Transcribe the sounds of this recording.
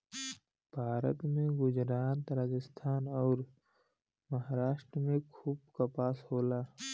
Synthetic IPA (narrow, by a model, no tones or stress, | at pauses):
b̥ʱaːɾə̰t̪mẽɡʊd͡ʒɾaːt̪ɾaːd͡ʒəst̪ʰaːnɔːɾ | məɦaɾaːʃʈɾəmẽkʰuːb̚kapaːshoːlaː